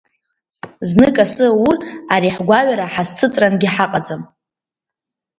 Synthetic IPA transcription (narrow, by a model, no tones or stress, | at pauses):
znɨkʼasɨuraɾiħɡʷaɥaɾaħast͡sʰɨt͡sʼranɡʲiħaqʼad͡zam